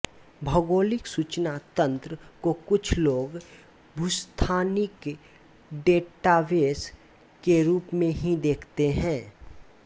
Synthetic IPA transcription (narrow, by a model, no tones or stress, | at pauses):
bʱɐɡoːlɪksuːt͡ʃnat̪ə̃nt̪ɾəkokʊt͡ʃʰloːɡ | bʱʊst̪ʰaːnɪk | ɖeːʈaʋeːs | keɾuːpmẽɦĩd̪eːkʰt̪eɦɛ̃ː